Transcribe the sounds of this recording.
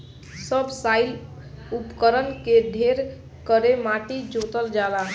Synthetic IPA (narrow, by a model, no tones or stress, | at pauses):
səbʱsajl | upkəɾənked̪ʱeɾ | kəɾemaʈid͡ʒot̪əld͡ʒala